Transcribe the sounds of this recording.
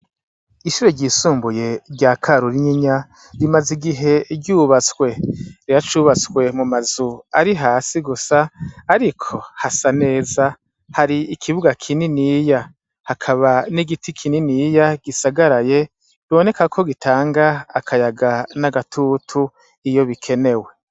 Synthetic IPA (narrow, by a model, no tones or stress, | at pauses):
iʃuɾoɟiːsuːmbuje̞ɾɟaːkʰaɾuɾiɲiɲa | ɾimaziɡiɦe̞ɡjuːβat͡swe̞ɾiɾat͡ʃuːβat͡skwe̞mumazuaɾiɦaːsiɡusaːɾikʰo̞hasane̞ːza | haɾiikʰiβuɡakʰininiːja | hakʰaβaniɡitʰikʰininijaɡ̥isaɡaɾaje̞ | iβo̞ne̞kakʰo̞ɡitʰaːŋɡaːkʰajaɡanaɡatʰuːtʰu | ijo̞βikʰe̞ne̞we̞